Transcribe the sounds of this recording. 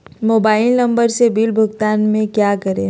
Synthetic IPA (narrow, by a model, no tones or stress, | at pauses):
moːbaːɪlnɐ̃mbəɾsebilbʱʊɡt̪aːnmẽkjaːkɐɾẽ